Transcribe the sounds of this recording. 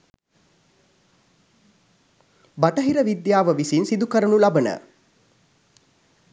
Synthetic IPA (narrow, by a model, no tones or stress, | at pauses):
bɐʈəɦiɾəʋid̪jaːʋəʋisinsid̪ukəɾənulabənə̰